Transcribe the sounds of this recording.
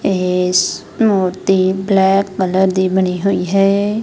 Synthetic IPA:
es | moːɾt̪iːblɛːkːələɾd̪iːbəñiːɦoiːɦɛː

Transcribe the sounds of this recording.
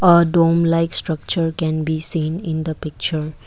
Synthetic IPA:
əɖõmlaɪksʈɾʌk̚t͡ʃəɾkɛ̃nbisĩːnɪ̃nd̪əpɪk̚t͡ʃəɾ

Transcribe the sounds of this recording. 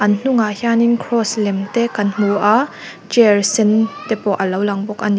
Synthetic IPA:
ʔɐnn̥uŋahjaniŋkʰɾɔslɛmt̪ɛkɐnm̥uʔa | t͡ʃɛrsint̪ɛpɔʔɐlɐwlɐŋbɔk̚ʔɐn

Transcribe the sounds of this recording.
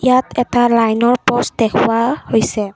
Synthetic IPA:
ijatʰɛtalajnɔɹpɔstdɛkʰʊwahojsɛ

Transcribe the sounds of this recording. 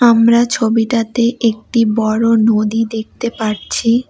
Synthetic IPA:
amɾat͡ɕʰobiʈat̪eʔek̚ʈibɔɽonod̪id̪ek̚t̪epaɾt͡ɕʰi

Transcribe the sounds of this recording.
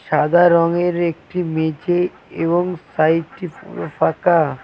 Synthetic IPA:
ʃad̪ʱaɾɔŋeɾek̚ʈimed͡ʑe | eβoŋsajʈifʰaka

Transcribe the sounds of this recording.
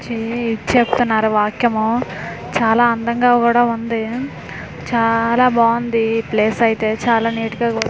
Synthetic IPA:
t͡ʃiit͡ʃepu̥t̪unːaːɾuʋaːkjɐmu | t͡ʃaːlaːɐnd̪ɐŋɡaːkuːɽaːund̪i | t͡ʃaːlaːbaːund̪ipleːsɐjit̪e̞ːt͡ʃaːlaːniːʈuɡaːɡu

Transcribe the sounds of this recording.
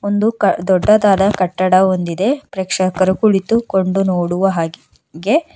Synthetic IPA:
ond̪ukd̪ɔɖːɐd̪aːd̪ɐkɐʈːɐɽɐond̪id̪e̞pɾeːkʂɐkɐɾukuɭit̪ukoɳɖunoːɽuʋɐɦaːɡ | ɡe̞

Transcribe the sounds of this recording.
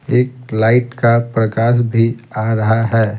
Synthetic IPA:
eːk̚laːɪʈkapɾəkaːʃ̬bʱiaɾɐɦaɦɛː

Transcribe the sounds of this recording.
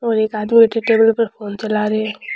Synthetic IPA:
ɔːɾeːkaːd̪mibeʈʰeʈeːbəlpɐɾpʰoːnt͡ʃɐlaːɾeɦe

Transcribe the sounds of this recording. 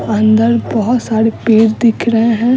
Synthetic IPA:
ɐ̃nd̪əɾbɔɦʊt̪saːɾepeːɾd̪ɪkʰɾəɦeɦɛ̃ː

